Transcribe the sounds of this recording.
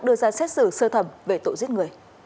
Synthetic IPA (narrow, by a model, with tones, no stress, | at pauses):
k̚ɗɨ˧əzaː˧sɛ˦˥t̚sɨ̰˧˨səː˧t̪ʰə˧˩mve˨˩t̪o̰˧˨zi˦˥t̚ŋɨ˨˩əj